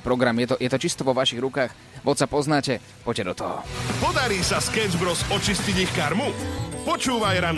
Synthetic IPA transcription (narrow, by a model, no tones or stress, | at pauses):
pɾɔɡɾamjɛt̪ɔjɛt̪ɔt͡ʃist̪ɔʋɔʋaʃiɣɾukaːx | ʋɔt̪sapɔznaːcɛ | pɔccːɛd̪ɔt̪ɔɦɔ̰pɔd̪aɾiːsaskɛzbɾɔsɔt͡ʃisciɟixkaɾmupɔt͡ʃuːʋajɾan